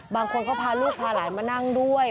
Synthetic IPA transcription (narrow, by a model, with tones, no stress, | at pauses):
baː˧ŋkʰo˧nkʰɔː˥˩pʰaː˧luː˥˩k̚pʰaː˧laː˩˦jmaː˧na˥˩ŋdu˥˩əj